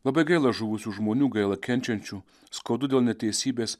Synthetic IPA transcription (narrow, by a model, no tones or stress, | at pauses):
lˠɐbɐɪɡɐɪlˠɐʒʊʋʊsʲuːʒmoːnʲuːɡɐɪlˠɐkʲɛnʲt͡ʃʲɛnʲt͡ʃʲuː | skoːd̪ʊd̪ʲeːlˠnʲɛt̪ʲɛɪsʲiːbʲeːs